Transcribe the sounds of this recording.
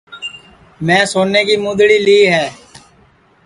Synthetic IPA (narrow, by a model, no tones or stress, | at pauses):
mɛ̃ːsoːneːkiːmʊ̃d̪ɽiːliːɦɛː